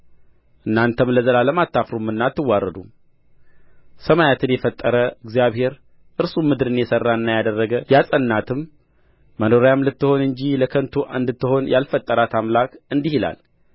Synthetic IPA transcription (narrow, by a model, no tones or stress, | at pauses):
ʔɨnːant̪ʰəmləzəlaləmat̪ʰːafɾumːɨnːat̪ːɨwːarːəd̪u | səmajat̪ʰɨnjɛfət̪ʼːəɾəɨɡzijaβhe̞ɾ | ʔɨɾsumːɨd̪ɾɨnjɛsərːaɨnːajad̪ərːəɡəjasʼənːat̪ʰɨmː | əno̞ɾjamlɨt̪ːɨho̞nɨɲd͡ʒiləkʰənt̪ʰuʔaɨnd̪ɨt̪ːɨho̞njalfət̪ʼːəɾat̪ʰamlakɨnd̪ihila̰l